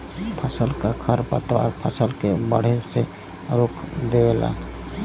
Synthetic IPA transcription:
pʰəsəlkakʰəɾpə̰t̪ɔ̰ɾpʰəsəlkebəɽ̤ese | ɾokʰd̪ewela̰

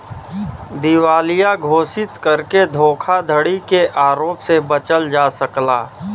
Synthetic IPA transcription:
d̪ɪwaːlijaɡʱoːsɪt̪kəɾked̪ʱoːkʰad̪ʱəɽikeʔaːɾoːpsebət͡ʃəld͡ʒaːsəklaː

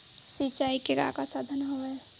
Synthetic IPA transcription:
sit͡ʃaːikeɾa̰kasad̪ʱənɦoʋe

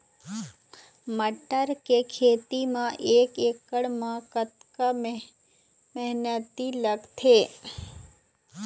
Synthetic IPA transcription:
məʈəɾkekʰet̪imãʔekekəɽmãkət̪kə | mɛɦnət̪iləɡt̪ʰe

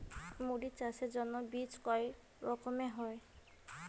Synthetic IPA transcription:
moɾit͡ʃased͡ʒɔnːɔbit͡ʃkɔj | ɾɔkɔmeɦɔj

